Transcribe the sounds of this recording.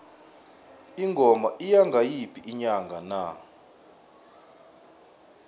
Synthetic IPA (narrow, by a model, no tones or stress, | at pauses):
iŋɡʱɔmaʔijaŋɡʱajipʰiʔiɲaŋɡʱana̰